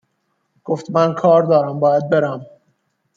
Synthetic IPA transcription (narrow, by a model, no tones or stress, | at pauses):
ɡ̥oft̪mænkʰɒːɾd̪ɒːɾæmbɒːjæd̪̚be̞ɾæm